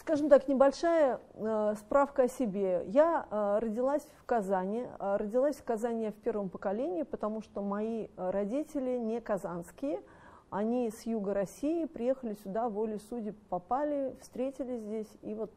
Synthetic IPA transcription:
skaʐɨmt̪aknʲɪbɐlʲʂajə | spɾafkəɐsʲɪbʲe̞jarədʲɪlˠasʲfkɐzanʲɪɪrədʲɪlˠasʲfkɐzanʲɪjəfʲpʲe̞rvəmpəkɐlʲenʲɪɪpət̪ɐmuʂt̪omɐiɾɐdʲitʲɪlʲɪnʲɪkɐzanskʲɪjə | ɐnʲisjuɡəɾɐsʲijɪpɾʲɪje̞xəlʲɪsʲʊd̪avolʲɪsudʲɪpɐpalʲɪfst̪ɾʲetʲɪlʲɪsʲzʲdʲesʲivo̞t̪̚

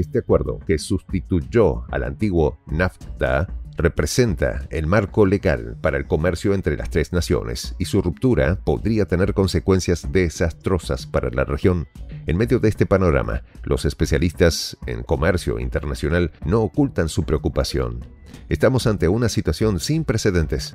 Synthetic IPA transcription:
est̪eakwe̞ɾðo̞̰ke̞sust̪it̪uʝoa̰la̰nt̪iɣwo̞naft̪are̞pɾe̞se̞nt̪a̰elmaɾko̞le̞ɣa̰lpaɾae̞lko̞me̞ɾsjo̞e̞nt̪ɾe̞la̰st̪ɾe̞znasjo̞̰nḛsisurup̚t̪uɾapo̞ðɾiat̪e̞ne̞ɾko̞nse̞kwe̞nsjazðe̞ːsast̪ɾo̞saspaɾala̰rexjo̞ne̞nme̞ðjo̞ðeest̪epano̞ɾa̰ma̰lʔo̞̰se̞spe̞sjalist̪asḛŋko̞meɾsjo̞̰ḭnt̪eɾnasjo̞nalno̞ːkult̪ansupɾe̞okupasjo̞̰n | est̪amo̞sant̪eunasit̪wasjo̞nsimpɾese̞ðe̞nt̪e̞s

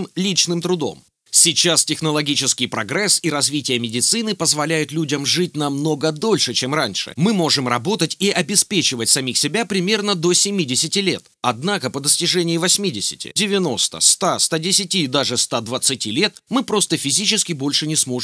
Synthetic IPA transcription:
mlʲit͡ɕnɨmt̪ɾʊd̪o̞̰m | sʲit͡ɕastʲɪxnəlˠɐɡʲit͡ɕɪskʲɪjpɾɐɡɾɛsiɾɐzvʲitʲɪjəmʲɪdʲɪt̪sɨnɨpəzvɐlʲæjʊt̪lʲudʲəmʐɨt̚ʲnɐmno̞ɡəd̪o̞lʲʂɨt͡ɕe̞mranʲʂɨ̰mɨmo̞ʐɨmrɐbo̞t̪ətʲiʔɐbʲɪspʲet͡ɕɪvətʲsɐmʲixsʲɪbʲapɾʲɪmʲe̞rnəd̪osʲɪmʲidʲɪsʲɪtʲɪlʲe̞t̪ɐd̪nakəpəd̪əsʲtʲɪʐɛnʲɪjɪvɐsʲmʲidʲɪsʲɪ̥̰tʲɪ̰dʲɪvʲɪno̞st̪ə̰st̪ast̪adʲɪsʲɪtʲid̪aʐɨst̪ad̪vət̪sɨtʲilʲe̞t̪mɨpɾo̞st̪əfʲɪzʲit͡ɕɪskʲɪbo̞lʲʂɨnʲɪsmo̞

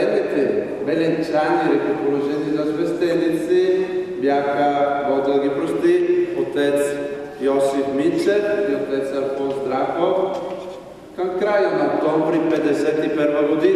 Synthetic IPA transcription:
ɛnɛt̪ɛ | bɛlɛnt͡ʃaniɾɛk̪opoloʒɛnizazvɛst̪ɛlit̪sibjaxavɔd͡ʒ̪alɡipɾost̪iot̪ɛt̪s | jɔsifmisɛiot̪ɛt̪saɾfɔnzd̪ɾaxof | kankɾajanaokt̪ɔmvɾipɛd̪ɛsɛt̪ipɛɾvaɡod̪i

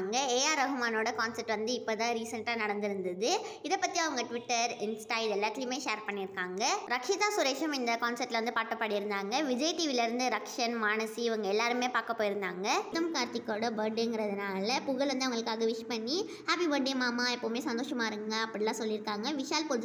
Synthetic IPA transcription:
ŋɡɐeːjaːɾɐɣɯmaːnoːɽɐkaːnsɐɾʈːʋɐnd̪ɯɪpːoːt̪ãːɾiːsɐɳʈaːnɐɽɐnd̪ɪɾɯnd̪ɐðɯɪðɐpːɐt̪ːiɐʋɐŋɡɐʈʋɪʈːɐɾɪnsʈaːɪɖɛlːaːʈ̪limeːʂeːɾpɐɳːɪɾɯkːaːŋɡɐɾɐkʂɪt̪aːsʊɾeːʂɐmɪnd̪ɐkaːnsɐɾʈːɪlɐʋɐnd̪ɯpaːʈːɐpːɐɽɪjɪɾɯnd̪aːŋɡɐʋɪd͡ʒɐɪʈiːʋɪlɪɾɯnd̪ɯɾɐkʂɐnmaːɳɐsiɪʋɐŋɡɐɛlːaːɾɯmeːpaːɾkɐpːoːjɪɾɯnd̪a̰ːŋɡɐt̪ɐmkaːɾt͡ʃ̪ɪkːoːɽɐbɐɾɖenŋɡɪɾɐðɯnaːlɐpʊɣɐɭʋɐnd̪ɯʋɐŋɡɐɭɯkːaːɣɐʋɪʂpɐɳːi | haːpiʋɐɖemaːmaːɛpːoːmeːsɐnd̪oːʂɐmaːɪɾɯŋɡɐɐpːɐɽɪlːãːsɔlːɪɾɯkːaːŋɡɐʋɪʂaːlpod͡ʒ

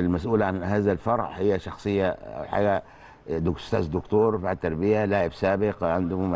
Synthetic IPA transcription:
ɪlmæsʔuːlʕanhaːzælfɑɾˤʕhɪjːæʃɑxsˤɨjːaʔa̰wħa̰ːɡæ | d̪ʊst̪aːzd̪ʊkt̪oːɾˤfaʕdt̪ːɑɾˤbɪjalaːʕɪbsaːbɪqʕand̪ʊhm

